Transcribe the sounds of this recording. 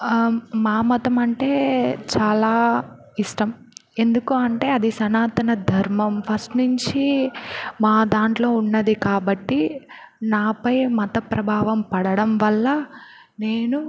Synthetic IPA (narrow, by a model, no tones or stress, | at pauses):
maːmɔt̪ɐmɐɳʈe̞ːt͡ʃaːlaː | iʂʈɐm | e̞nd̪ukuɐɳʈe̞ːɐd̪isɐnaːt̪ɐnɐd̪ʱɐɾmɐmpʰɐsʈnuɲt͡ʃi | maːd̪aːɳʈlo̞ːunːɐd̪ikaːbɐʈːi | naːpɐjmɐt̪ɐpɾɐbʱaːʋɐmpɐɽɐɽɐmʋɐlːɐ | ne̞ːnu